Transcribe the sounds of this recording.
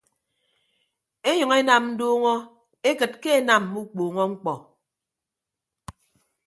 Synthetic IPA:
e˦ɲɔ˨ŋe˦na˨mn̩˦doː˦ŋɔ˦ | e˦kɨ˨t̚ke˦e˦na˨m˨mu˦k͡poː˨ŋɔ˦ŋ͡m̩˦k͡pɔ˨

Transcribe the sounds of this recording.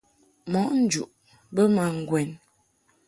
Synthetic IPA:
mɔ˨˦ʔn̩˦d͡ʒṵ˨ʔ | bə˦ma˨ŋ˨ɡwɛ˨n

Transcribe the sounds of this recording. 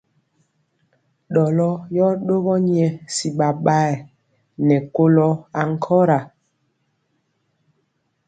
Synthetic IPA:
ɗɔ˨lɔ˦jɔ˦ɗo˦ɣɔ˦ɲi˦ɛ˨si˨ɓa˨ɓa˦ɛ˨ | nɛ˨ko˦lɔ˦a˨ŋ̩˦˨kʰɔ˦ɾa˨

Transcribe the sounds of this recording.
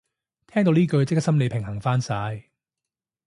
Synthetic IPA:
t̪ʰɛː˥ŋt̪o˧wniː˥kɵ˧ɥt͡sɪ˥k̚sɐ˥mle˨˧pʰɪ˨˩ŋhɐ˨˩ŋfaː˥nsaː˨˧j

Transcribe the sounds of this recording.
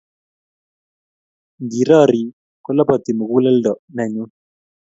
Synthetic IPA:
ndi˨ɾɔ˦˨ɾi˨ | kɔ˦la˦pɔ˨t̪ɪ˨mɔ˨ku˦lɛ˦ldɔ˨ʔna˨ɲo˦

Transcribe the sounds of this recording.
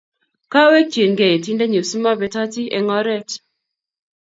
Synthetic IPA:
ka˦we˦t͡ʃje˨nɡɛ˨e˨ti˦ndɛ˦ɲo˨su˦ma˦bɛ˨ta˦ti˦ḛ˨ŋɔ˦ɾɛ˦˨t

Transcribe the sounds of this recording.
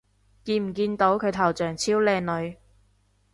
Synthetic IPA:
kiː˧nm̩˨˩kiː˧nt̪o˨˥wkʰɵ˨˧ɥt̪ʰɐ˨˩wt͡ʃœː˨˩ŋt͡sʰiː˥wlɛː˧ŋnɵ˨˧ɥ

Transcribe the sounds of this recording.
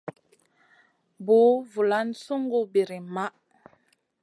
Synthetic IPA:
bo˨˦vu˨la˦nsu˦ŋɡo˦bi˨ɾi˨ma˦ʔ

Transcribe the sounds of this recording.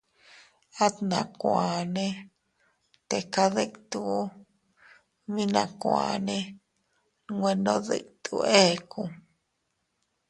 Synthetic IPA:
a˦t̪nã˨kʷa˨nẽ˦ | t̪e˨ka˦ðe˦kt̪u˧˦ | mĩ˦nã̰˧˨kʷa̰˨nẽ˦ | ɡwe˧nõ˦ðɨ̰˧˨kt̪ʰṵ˧ʔe˦˧ku˧

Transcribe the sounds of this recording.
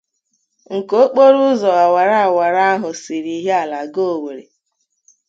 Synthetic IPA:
ŋ̩˨ko˦k͡po˦ɾu˦zɔ˨a˨wa˨ɾa˦a˨wa˨ɾa˦a˦ɦʊ˨si˨ɾi˨˦ɦe˦a˨la˨ɡo˦˨we˨ɾe˨

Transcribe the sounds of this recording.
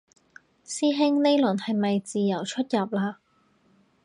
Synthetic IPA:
siː˥ɦɪ˥ŋne˥jlɵ˨˩nhɐ˨jmɐ˨jt͡siː˨jɐ˨˩wt͡ʃʰɵ˥t̚jɐ˨p̚laː˧

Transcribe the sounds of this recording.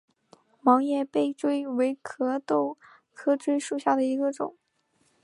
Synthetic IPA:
mɑ˧˥ŋjɛ˥˧pe˥˩ɪʈ͡ʂwe˥ɪwe˧˥ɪkʰɤ˧˥t̪o˥˩ʊ | kʰɤ˥ʈ͡ʂwe˥ɪʂu˥˩ɕja˥˩d̪ə˩i˧˥ɡə˧ʈ͡ʂʊ˨˩˦ŋ

